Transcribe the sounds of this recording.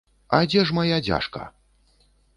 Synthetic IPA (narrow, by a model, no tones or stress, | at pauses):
a̰d͡zʲɛʂmajad͡zʲa̰ʂkɐ̰